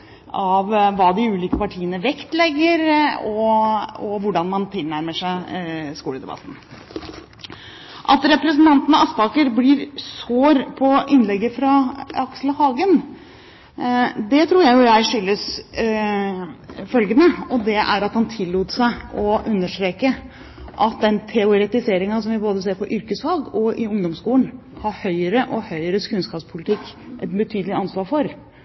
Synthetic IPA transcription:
ɑʋʋɑːd̪ɪʉːliːkəpɑʈʰiːənəʋɛkt̪lɛɡːəɾɔɔʋʊɖɑnmɑnt̪ʰɪlnæɾməʂæɪskuːləd̪ɛbɑ̰t̪ːn̩ | ʔɑt̪ɾɛpɾɛsnt̪ʰɑnt̪n̩ɑɑsp̪ɑːkəɾbliɾsoːɾpʰɔʔɪnlɛɡːəfɾɑɑksələhɑːɡən | d̪ɛt̪ʰɾuːɾjæɪjʊjæɪʂʏlːəs | fœlɡənəɔd̪ɛʔæɾɑt̪hɑnt̪ʰɪlːuːt̪sæɪɔʔʉnːəʂʈ̪ɾeːkə | ʔɑt̪̚d̪ɛnt̪ʰɛʊɾɛt̪ɪseːɾɪŋɑsɔmʋɪboːd̪əseːɾpɔʔʏɾkəsfɑːɡɔʔɪʊŋd̪ɔmskuːlən | hɑɾhœʏəɾəʔɔhœʏəɾəskʉnskɑːpspʰʊlɪt̪ʰɪkːʔɛt̪bət̪ʰyːd̪lɪɑnsʋɑːɾfɔɾ

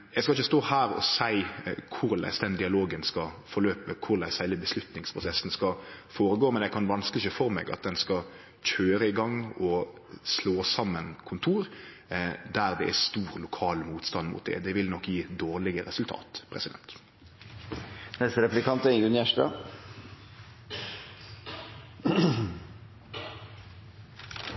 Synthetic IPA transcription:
jɛɪskɑɪçːəst̪oːhæːɾɔ̰sæɪkʰʊɾlæ̰ɪsd̪ɛnd̪ɪɑloːɡənskɑfɔløːpəkʰʊɾlæɪsæɪləbəslʉt̪nɪŋspʰɾʊsɛsn̩skɑfoːɾəɡoːmɛnjɛɡkʰɑnʋɑnskəlɪçəfɔɾmɛ̰ːɡɑ̰t̪̚d̪ɛnskɑ | c͡çøːɾəɪɡɑŋːɔ | sloːsɑmːənkʰʊnt̪ʰuːɾ | d̪æʁd̪ɛʔæst̪uːʁlʊkʰɑːlmuːt̪st̪ɑnmʊ̰t̪̚d̪ɛ̰d̪ɛʋɪlnɔkːjiːd̪oːʁlɪɡəɾɛsʉlt̪ʰɑ̰ːt̪pʰɾɛ̰sɪd̪ɛ̰nt̪ | nɛsəɾɛplɪkʰɑnt̪əɡʉnjæʂʈɑ̰

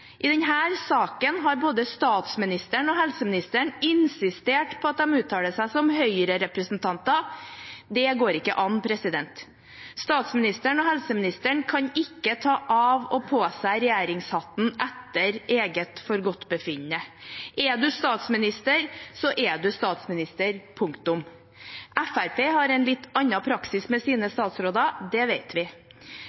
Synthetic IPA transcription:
ʔɪd̪ɛnɦæːɾsɑːkənɦɑɾboːd̪əst̪ɑːt̪smɪnɪst̪əɳɔɦɛlsəmɪnɪst̪əɳɪnsɪst̪eːʈpʰɔɑt̪̚d̪ɛmʉːt̪ʰːɑːləsæɪsɔmhœʏɾəɾɛpɾəsnt̪ʰɑnt̪ɑ | d̪ɛɡoːɾɪkːə̰ʔɑnpʰɾɛsɪd̪ɛnt̪ | st̪ɑːt̪smɪnɪst̪əɳɔɦɛlsəmɪnɪst̪əɳkʰɑɲɪkːət̪ʰɑːʔɑʋɔpʰoːsæɪɾɛjæːɾɪŋshɑt̪n̩ʔɛt̪ːəɾeːɡət̪fɔɾɡɔt̪ːbəfɪɲːəʔɛɖʉst̪ɑːt̪smɪnɪst̪əɾsɔʔɛɖʉst̪ɑːt̪smɪnɪst̪əɾpʰʊŋkt̪ʊm | ʔæfæɾpeːhɑɾɛɪnlɪt̪ːɑnːɑpʰɾɑksɪsmɛsiːnəst̪ɑːt̪sɾoːd̪ɑd̪ɛʋeɪt̪ʰʋɪ

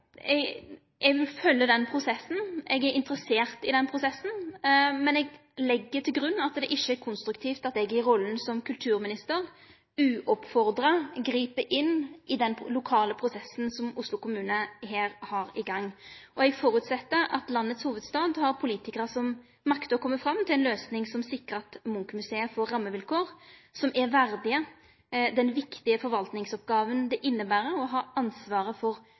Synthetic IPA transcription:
ɛɡ | ɛɡʋɪlfœlːəd̪ɛnpʰʁʊsɛsn̩ɛɡæɾɪnt̪əɾəseːʁt̪ɪd̪ɛnpʰʁʊsɛsn̩mɛnɛɡlɛɡːət̪ʰɪlɡɾʉnːɑt̪d̪ɛʔɪʃːəæɾkʰʊnst̪ɾʉkt̪ʰiːft̪ɑt̪d̪ɛɡjɪɾɔlːn̩sɔmkʰʉlt̪ʰʉːɾmɪnɪst̪əɾ | ʉːʔɔpfɔɾd̪ɾɑɡɾiːpəʔɪnːʔɪd̪ɛnlʊkʰɑːləpʰɾʊsɛsːn̩sɔmʊslʊkʊmʉːnəɦeːɾhɑɾɪɡɑŋːɔɛɡfɔɾʉt̪sɛt̪ːəɾɑ̰t̪lɑnːət̪shuːʋəd̪st̪ɑːd̪hɑɾpʰʊliːt̪ɪkəʁəsɔm | mɑkt̪əɾɔkʰɔmːəfɾɑmt̪ʰɪlɛnløːsnɪŋsɔmsɪkːəɾɑt̪mʊŋkəmʉseːəfɔɾːɑmːəʋɪlkʰoːɾsɔmæɾʋæɾd̪ɪə | d̪ɛnʋɪkt̪ɪəfɔɾʋɑlt̪nɪŋsɔp̚ɡɑːʋənd̪ɛʔɪnːəbæːɾəɔɦɑːɑnsʋɑːɾəfɔɾ

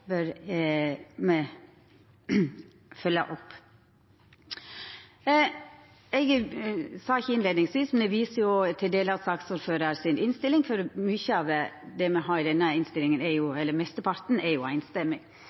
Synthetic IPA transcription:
bœɾ | mɛ | fœlːə̰ʔɔpː | ɛɡsɑːɪçːəɪnleːd̪nɪŋsʋiːsmɛnd̪ɛʋiːsəɾjʊt̪ʰɪld̪eːləɑsɑksuːɾføːɾəɾsɪnʔɪnst̪ɪlɪŋfɔɾmyçəɑʋd̪ɛmɛɦɑːɾɪd̪ɛnːəɪnst̪ɪlɪŋənɛɾjʊɛlːəɾmɛst̪əpʰɑɾt̪n̩ɛɾjʊæ̰ɪnst̪ɛmːɪŋ

